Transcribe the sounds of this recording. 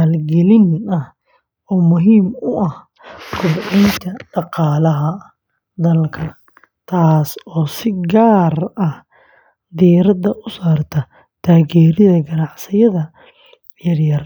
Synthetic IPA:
alɡɛlɪnɐh | ɔːmʊɦiːmʊʔɐh | kʰʊbʕɪnt̪ʰɐɖɑqɑːlɐɦɐ | d̪ɐlkʰɐ | t̪ʰaːsɔːsɪɡaːrɐh | d̪iɾɐd̪ɐʔʊsaːrt̪ʰɐ | t̪ʰaːɣɛːɾɪðɐɡɐnɑʕsɪjɐðɐ | jɐrjɐr

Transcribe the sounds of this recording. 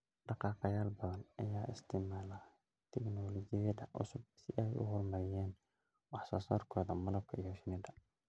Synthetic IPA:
ɖɑqɑːqɑjaːlbɐðɐnɐ̰jaːʔɪst̪ʰɪmaːla | t̪ʰɛɡnɔːlɔd͡ʒɪjɐd̪ɐʔʊ̰sʊb̚sɪʔɛjʔʊ̰hɔrmɐɾɪjɛːn | wɑħsɐsɔːrkʰɔːðɐmɐlɐb̚kʰɐijɔʃɪnɛd̪ɐ

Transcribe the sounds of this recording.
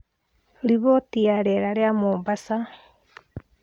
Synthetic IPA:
ɾiβotiaɾɛɾaɾeamoːmbasa

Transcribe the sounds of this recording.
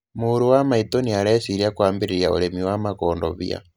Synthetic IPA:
muɾuwamaitoniaɾɛsiɾiakwaːmbeɾeɾjao̰ɾemiwamakoːndo̰βḭa̰

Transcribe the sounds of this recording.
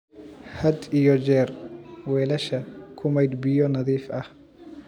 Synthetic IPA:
hɐd̪ijɔd͡ʒɛːrwɛːlɐʃɐkʰʊmɛjd̪bɪjɔnɐðiːfʔɐh

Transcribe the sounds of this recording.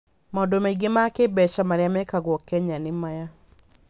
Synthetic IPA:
mɔdomaiɡemakebɛt͡ʃamaɾjamɛkaɣwɔkɛɲanɪmaja

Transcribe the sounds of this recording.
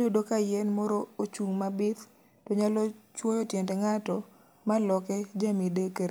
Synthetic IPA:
dodokajɛnmɔɾɔot͡ʃuŋmabɪt̪ | tɔɲalɔt͡ʃwɔjɔtjɛndɛŋatɔ | malɔkɛd͡ʒamidekeɾ

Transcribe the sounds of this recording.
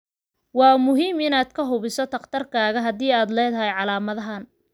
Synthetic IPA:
wɑːmʊɦiːmɪnaːd̪kʰɐɦʊβɪsɔt̪ʰɐqt̪ʰɐrkʰaːɣɐɦɐd̪iːaːd̪lɛːðɐɦɛjʕɑlaːmɐðɐɦan

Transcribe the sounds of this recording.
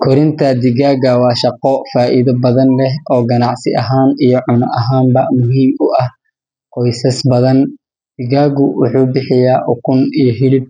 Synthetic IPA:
kʰɔɾɪnt̪ʰɐd̪ɪɣaːɡɐwɑːʃɑqɔfaːʔiðɐbɐðɐnlɛɦʔɔːɡɐnɑʕsɪ̰ʔɐɦaːnijɔʕʊnɐ̰ʔɐɦaːmbɐmʊɦiːmʊʔɐh | qɔjsɐsbɐðɐn | d̪̥ɪɣaːɡʊwʊħuːbɪħɪjaːʔʊkʰʊnijɔɦɪlɪb̚

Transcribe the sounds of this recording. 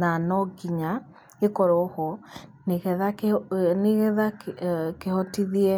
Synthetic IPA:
nanɔɡiɲa | ekɔɾɔhɔneɣɛðaneɣɛðakehɔtiðiɛ

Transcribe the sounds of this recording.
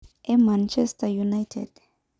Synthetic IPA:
ʔɛmant͡ʃʰɛstajunajtʰɛ̰d̥

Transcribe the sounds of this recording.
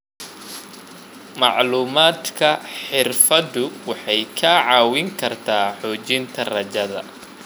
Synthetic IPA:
mɑʕluːmaːd̪kʰɐħɪrfɐd̪ʊwɑħɑjkʰɐʕɑːwɪŋkʰɐrt̪ʰaːħɔːt͡ʃɪnt̪ʰɐrɐt͡ʃɐðɐ̰

